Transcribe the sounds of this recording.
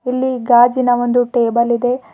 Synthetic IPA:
ilːiɡaːd͡ʒinɐʋond̪uʈeːbɐlid̪e̞

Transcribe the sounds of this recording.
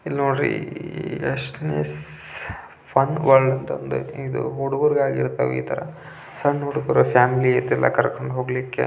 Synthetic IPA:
ilːoːɳɾḭ | ɐʂʈnes | pʰɐnʋɐɭɖɐnt̪ɐnd̪ṵid̪ṵɦoɽuɡɐɾɡaːɡiɾt̪ɐʋeḭːt̪ʰɐɾɐ | sɐnoɽkoɾɐpʰaːmiliet̪ːɛlːɐ̰kɐɾkoɳɖɦoːɡlikːḛ

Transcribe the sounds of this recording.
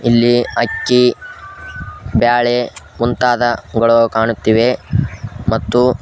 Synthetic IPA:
ilːiɐkːi | baːɭe | munt̪aːd̪ɐɡɐɭokaːɳut̪ːiʋe̞ | mɐt̪ːu

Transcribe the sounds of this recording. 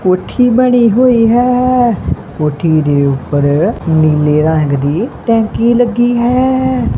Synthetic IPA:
koːʈʰiːbəɽ̃iːɦoːiːɦɛː | koːʈʰiːd̪eːʊpːəɾniːleːɾãːŋɡd̪iːʈɛ̃ːŋkiːləɡiːɦɛː

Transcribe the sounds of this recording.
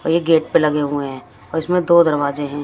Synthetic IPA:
ɔːɾjeɡeːʈ̚pelɐɡeɦueɦɛ̃ː | ɔːɾɪsmẽd̪oːd̪ɐɾʋaːzeɦɛ̃ː

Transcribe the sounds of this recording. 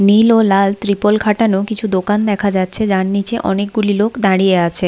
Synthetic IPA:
nilolalt̪ɾipolkʰaʈanokit͡ɕʰud̪okand̪ɛkʰad͡ʑatːɕʰed͡ʑaɾnit͡ɕeʔɔ̰nek̚ɡulilokʰd̪aɽieat͡ɕʰe

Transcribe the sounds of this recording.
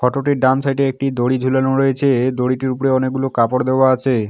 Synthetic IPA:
kʰɔʈoʈiɾɖamsajʈeek̚ʈid̪oɽid͡ʑʱulanoɾɔjet͡ɕʰed̪oɽiʈiɾupɾeɔnek̚ɡulokapoɾd̪eoaat͡ɕʰe

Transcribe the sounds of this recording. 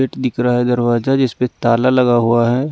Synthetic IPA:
eːʈd̪ɪkɾaɦɛd̪ɐɾwaːzad͡ʒɪspet̪aːlalɐɡaɦuaɦɛ

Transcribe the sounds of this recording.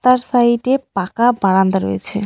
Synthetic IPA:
t̪aɾsajʈepakabaɽand̪aɾo̰jet͡ɕʰe

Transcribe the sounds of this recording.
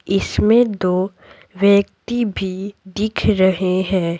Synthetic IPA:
ɪsmẽd̪oː | ʋjəkt̪ibʱid̪ɪkʰɾɐɦeɦɛ̃ː

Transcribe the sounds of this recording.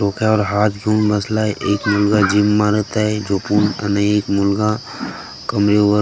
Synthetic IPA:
ɾoːkaɔːɾɦaːt̪ɡʱuːnbəslaɦɛʔeːkmʊlɡad͡ʒɪmːaːɾət̪ɦɛd͡ʒoːpunɐ̰nəeːkmʊlɡa | kəmɾeʋə

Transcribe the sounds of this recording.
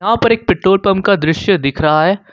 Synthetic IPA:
ɦãpɐɾeːk̚pɪʈːoːlpɐmkad̪ɾɪʃjəd̪ɪkʰɾɐɦaɦɛː

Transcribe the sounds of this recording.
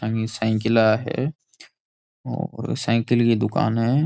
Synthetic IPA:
ãɡisɛ̃ːkɪlaɦɛ̰ | ɔ̰ːɾsãːkɪlkid̪ʊka̰ːnɦɛ

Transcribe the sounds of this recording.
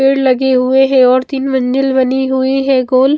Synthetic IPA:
eːɽlɐɡeɦʊeɦɛ̃ɔːɾt̪iːnmɐ̃ɲd͡ʒəlbɐniɦʊiɦɛ̃ːɡoːl

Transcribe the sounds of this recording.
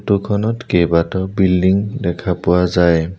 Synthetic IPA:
tukʰɔnɔtkejbatɔbildiŋdɛkʰapʊwazaj

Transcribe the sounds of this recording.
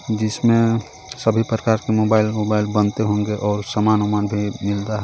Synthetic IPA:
d͡ʒɪsmẽ | səbʱipɾəkaːɾkemobaɪlmobaɪlbənt̪eɦõŋɡeʔɔːɾsəmanomanbʱimɪld̪aɦɛ

